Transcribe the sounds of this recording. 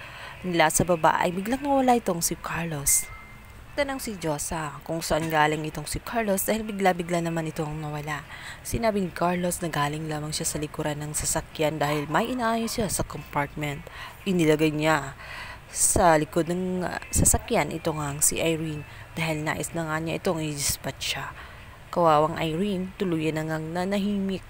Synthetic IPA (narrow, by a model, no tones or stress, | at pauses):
nɪlasɐbɐba̰ʔɐ̰jbɪɡlaŋnɐwɐlaʔɪt̪o̞ŋsɪkʰaɹlo̞s | t̪ɐnaŋsɪd͡ʒo̞sɐkʊŋsɐʔanɡaːlɪŋɪt̪o̞ŋsɪkʰaɹlo̞sd̪aːhɪlbɪɡlabɪɡlanɐmanɪt̪o̞ŋnɐwɐlaʔsɪnaːbɪnɪkaɹlo̞snɐɡaːlɪŋlaːmɐŋʃasɐlɪkʊɾanːɐŋsɐsɐkjand̪aːhɪlmɐjʔɪnaʔaːjosɪasɐkompaɹt̪̚mɛnt̪ʔɪnɪlɐɡajɲa | sɐlɪko̞d̪̚nɐŋsɐsɐkjanʔɪ̰t̪o̞ŋaŋsḭʔajɹin | d̪̥aːhɪlna̰ːʔɪsnɐŋaɲaʔɪt̪o̞ŋɪd̪ɪspɐt̪̚ʃa | kɐwaːwɐŋʔɐjɾint̪ʊluːjɐnɐŋɐŋnɐnɐɦiːmɪk̚